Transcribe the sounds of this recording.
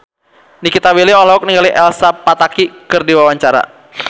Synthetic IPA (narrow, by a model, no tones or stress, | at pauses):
nikit̪awiliɔlaɦuk̚niŋɡaliʔɛlsapat̪akikɨrdiwawaɲt͡ʃaɾa̰